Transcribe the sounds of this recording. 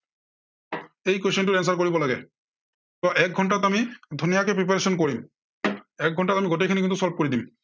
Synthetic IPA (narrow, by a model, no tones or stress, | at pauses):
ejkoʃenʈuɾɛns̬aɾkoɾibolaɡe | t̪ɔʔɛk̚ɡʱɔɳʈat̪amid̪ʱunijakepɾip̬aɾeʃɔnkoɾim | ɛk̚ɡʱɔɳʈat̪amiɡoʈekʰinekint̪usɔlp̚koɾid̪im